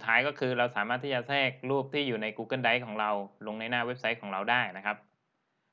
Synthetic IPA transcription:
u˨˩t̪ʰːaː˦˥jkɔː˥˩kʰɯː˧ɾa˧wsaː˩˦maː˥˩t̪ʰːiː˥˩t͡ɕa˧˨sɛː˥˩k̚ɾuː˥˩p̚t̪ʰiː˥˩juː˨˩na˧jkuː˧kɤ˥˩nda˦˥jkʰɔː˩˦ŋɾa˧wlo˧ŋna˧jnaː˥˩we˦˥p̚sa˦˥jkʰɔː˩˦ŋɾa˧wdaː˥˩jna˦˥kʰa˦˥p̚

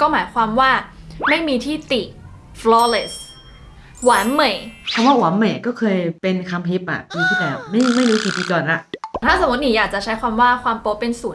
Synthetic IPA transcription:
kɔː˥˩maː˩˦jkʰwaː˧mwaː˥˩ | ma˥˩jmiː˧t̪ʰiː˥˩t̪i˨˩ | flɔː˧˩le˧˩s | waː˨˩˦nmːa˨˩jkʰa˧mwaː˥˩waː˩˦nma˨˩jkɔː˥˩kʰɤː˧jpe˧nkʰa˧mɦi˦˥p̚ʔa̰˨˩ʔpiː˧t̪ʰiː˥˩dɛː˧˩wma˥˩jma˥˩jɾuː˦˥kiː˧˩biː˧kɔː˨˩nʔa˨˩ʔt̪ʰaː˥˩so˩˦mu˦t̪̚ni˨˩˦jaː˨˩k̚t͡ɕa˨˩t͡ɕʰa˦˥jkʰwaː˧mwaː˥˩kwaː˧mpo˦˥pːe˧nsuː˨˩

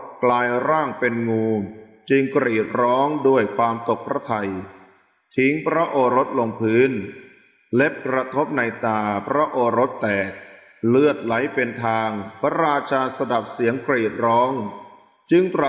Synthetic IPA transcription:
klaː˧jɾaː˥˩ŋpe˧nŋuː˧ | t͡ɕɯ˧ŋkɾiː˨˩t̪̚ɾɔː˦˥ŋdu˥˩əjkʰwaː˧mt̪o˨˩k̚pʰɾa˦˥t̪ʰa˧j | t̪ʰi˦˥ŋpʰɾa˦˥ʔoː˧ɾo˦˥t̪̚lo˧ŋpʰɯː˦˥n | le˦˥p̚kɾa˧t̪ʰo˦˥p̚na˧jt̪aː˧pʰɾa˦˥ʔoː˧ɾo˦˥t̪ːɛː˨˩k̚ | lɯ˥˩ət̪̚la˩˦jpe˧nt̪ʰaː˧ŋpʰa˧ɾaː˧t͡ɕʰaː˧sa˧da˨˩p̚si˩˦əŋkɾiː˨˩t̪̚ɾɔː˦˥ŋ | t͡ɕɯ˧ŋt̪ɾa˨

